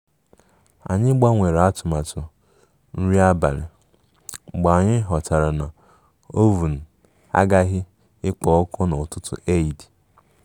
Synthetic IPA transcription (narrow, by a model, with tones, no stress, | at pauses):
a̰˨ɲɪ˦ɡ͡ba˦ŋʷe˨ɾa˦tʊ˨ma˨tʊ˨ | n̩˦ɾi˦a˦ba̰˨ɾɪ̰˨ | ɡ͡ba˨a˨ɲɪ˦ɦɔ˨ta˨ɾa˨na˨ | o˦vu˨n̩˨ | a̰˦ɡa˦ɦɪ˦ | ɪ˦k͡pɔ˨˦kɔ˦no˨tʊ˦tʊ̰˨ʔe˦˨i˨di˨